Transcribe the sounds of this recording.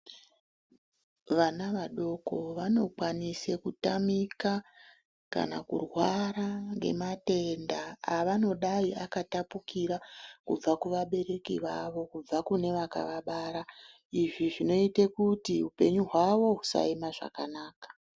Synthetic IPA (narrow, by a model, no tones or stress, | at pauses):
ʋanaʋaɗo̞ko̞ʋano̞kwanisekutamika | ka̰nakṵrwaɾaŋɡe̞̰mate̞ndaːʋano̞ɗaiakatapukiɾakub͡vakuʋaɓe̞ɾe̞kḭʋaʋo̞kub͡vakune̞ʋaka̰ʋaɓaɾa | iʐiʐino̞itekutiupe̞ɲuɦwaʋo̞ɦusa̰imaʐa̰kanaːkḁ